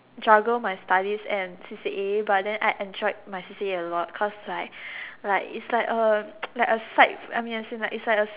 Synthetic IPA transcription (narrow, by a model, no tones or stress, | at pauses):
d͡ʒaɡəmajstadisɛ̃nsisiʔebat̚dɛ̃nʔajʔɛ̃nd͡ʒɔɪt̚maɪsisieəlɔt̚kʰɔslaɪk̚laɪkḭtslaɪkəlaɪkəsaɪtfa̰ɪmĩnaɪsĩnlaɪkitslaɪkə